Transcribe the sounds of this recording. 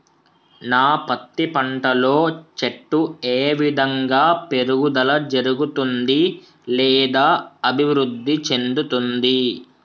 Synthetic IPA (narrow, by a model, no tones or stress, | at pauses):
naːpɐt̪ːipɐɳʈɐlo̞ːt͡ʃeʈːueːʋid̪ʱɐŋɡaːpe̞ɾuɡud̪ɐlɐd͡ʒɐɾuɡut̪und̪i | lɛːd̪aːɐbʱiʋɾud̪ʱːit͡ʃe̞nd̪ut̪und̪i